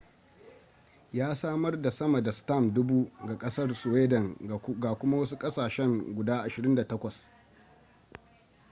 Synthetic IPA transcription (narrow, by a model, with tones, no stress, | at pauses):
jaː˦saː˦mɐ˦rda˨sɐ˦ma˨da˨sta˦˨mdʊ˦buː˦ɡa˨kʼɐ˦sɐ˦rsʊ˨weː˦dɐ˨ŋɡa˨kʷʊ˦ma˦wɐ˦su˦kʼɐ˦saː˨ʃɛ˦ŋɡʷʊ˨daː˦ʔa˨ʃɪ˨ɾɪ˦nda˨tɐ˦kʷɐ˨s